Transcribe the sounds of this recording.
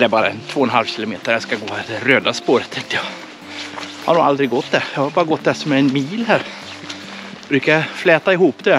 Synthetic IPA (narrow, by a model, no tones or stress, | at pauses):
d̪ɛɾbɑːɾa̰ɛnt̪ʰv̥oːnɦalvɕɪːlʊmeːt̪əjɑskaɡoːhd̪ɛɾøːd̪aspoːɾət̪ːʰɛŋt̪əjɑ | ha̰nuːald̪ɾɪɡɔt̪ːd̪ɛɾjɑhaɾbɑːɾaɡɔt̪̚ːd̪ɛsɔmɛɛnmiːlɦæːɾ | bɾʉ̟ːkajaflɛːt̪aɪhuːpːd̪ɛ